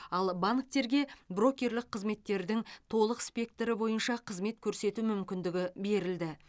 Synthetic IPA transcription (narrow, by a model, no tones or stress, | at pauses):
ɑlˠbaŋk̚t̪e̞ɾɡʲe̞bro̞kʲːe̞ɾlɪqʰːəzme̞t̪ːe̞ɾd̪ɪŋt̪ʰo̞lˠəqspʲe̞k̚t̪ɾɪbo̞jənʃɑqʰəzme̞t̪kʲʰɵɾse̞t̪umʏmkʲɪnd̪ɪɡʲɪbe̞ɾɪld̪ɪ